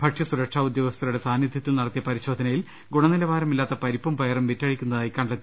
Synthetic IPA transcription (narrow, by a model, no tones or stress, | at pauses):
bʱɐʈʂɐsuɾɐkʂaːud̪jɐoɡɐst̪ʰɐɾuɽe̞saːnjid̪ʱjɐt̪ːilnɐɽɐt̪ːijɐpɐɾiɕo̞ːd̪ʱɐnɐjil | ɡuɳɐnilɐʋaːɾɐmilːaːt̪ːɐpɐɾipːɐmpɐjɐrɐmʋitːɐɻikʲːunːɐðaːjikːɐɳɖɐt̪ːi